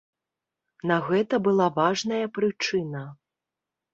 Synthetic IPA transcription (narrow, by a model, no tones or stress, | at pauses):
nɐɣɛt̪ɐbɨlˠavaʐnɐjɐpɾɨt͡ʂɨnɐ